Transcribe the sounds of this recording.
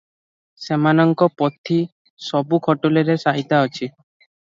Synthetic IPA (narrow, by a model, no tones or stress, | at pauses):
semanɔŋkɔpɔt̪ʰi | sɔbukʰɔʈuleɾesaɦit̪aɔt͡ʃʰi